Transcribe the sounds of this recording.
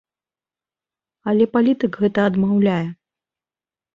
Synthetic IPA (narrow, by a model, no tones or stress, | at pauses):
ɐlʲɛpalʲit̪ɨkɣɛt̪ɐːd̪mawlʲajɛ